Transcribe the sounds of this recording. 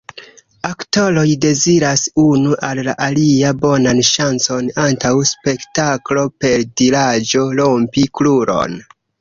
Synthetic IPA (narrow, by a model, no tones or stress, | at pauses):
akto̞lo̞jde̞ziɾasunuʔalːaʔaliabo̞nanʃant͡so̞nantawspe̞ktaklo̞pe̞ldilad͡ʒo̞lo̞mpikluɾo̞̰n